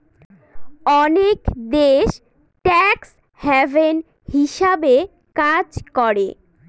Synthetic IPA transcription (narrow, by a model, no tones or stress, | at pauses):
ɔnekd̪eʃ | ʈɛks | hɛvʱen | hiʃabe | kad͡ʑkɔɾe